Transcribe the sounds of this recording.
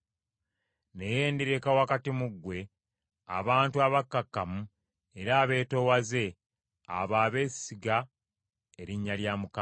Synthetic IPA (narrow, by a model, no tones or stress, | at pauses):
ne̞jeːndiɾe̞kawakatimuɡwe̞ | a̰βaːntuaβakːakːamu | e̞ɾaːβe̞ːto̞waze̞ | a̰βaːβe̞ːsiɡa | eɾiɲːaljaːmuka